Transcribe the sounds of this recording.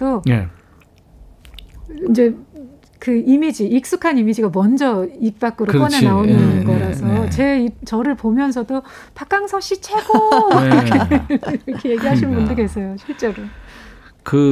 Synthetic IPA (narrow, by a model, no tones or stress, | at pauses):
done | ind͡ʑe̞ | kɯimid͡ʑiːk̚s͈ukʰanimid͡ʑiɡamʌnd͡ʑʌik̚p͈ak͈ɯɾokʌnenaonɯnɡʌɾasʰʌt͡ɕe̞it͡ɕʌɾɯɭpomjʌns̬ʰʌdo | pak͈aŋsʰʌɕ͈it͡ɕʰeɡ̥o | eʌkʰeje̞ɡiɦaɕʰinnbundokwe̞s͈ʌjoɕʰiɭt͡ɕ͈e̞ɾo | kɯ